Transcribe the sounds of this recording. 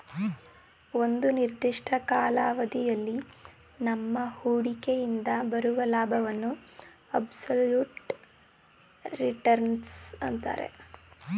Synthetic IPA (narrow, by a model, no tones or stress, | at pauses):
o̞nd̪uniɾd̪iʂʈʰɐkaːlaːʋɐd̪ijɐlːi | nɐmːɐhuːɽikejind̪ɐbɐɾuʋɐlaːbʱɐʋɐnːuɐbsɐljuːʈ | ɾiʈɐɾnsɐnt̪a̰ːɾe̞̰